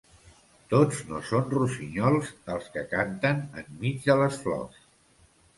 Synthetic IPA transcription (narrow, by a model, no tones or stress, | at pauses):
t̪od͡znosonrusiɲɔlˠzəlˠskəkant̪ənəmmid͡zðələsflɔ̰s